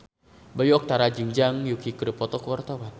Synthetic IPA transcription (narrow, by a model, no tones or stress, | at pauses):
bajuɔk̚t̪aɾad͡ʒiŋd͡ʒaŋjukikɾəpɔt̪ɔkuwart̪awan